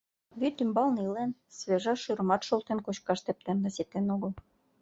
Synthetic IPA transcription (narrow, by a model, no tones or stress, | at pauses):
βyt̪ymbɑlnilensβeʒɑʃɯɾɤ̆mɑt̪ʃolˠt̪enkot͡ɕkɑʃt̪ĕp̚lenːĕset̪enoɣɤ̆l